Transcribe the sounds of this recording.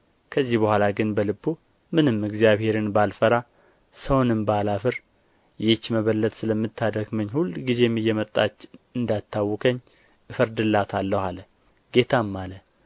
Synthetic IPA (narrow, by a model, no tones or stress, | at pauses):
kʰəzːihbəhʷalaɡɨnbəlɨbu | mɨnɨmɨɡzijaβhe̞ɾɨnbalfəɾa | səwnɨmbalafɨɾ | jɛt͡ʃːməβəlːət̪ʼsɨləmːɨt̪ʰːad̪əɡməɲːhulːɡize̞mːɨjːɛmət̪ʼːat͡ʃːɨnd̪at̪ʰːawːɔkʰəɲː | fəɾd̪ɨlːat̪ʰalːəhalə | ɡe̞t̪ʰamːalə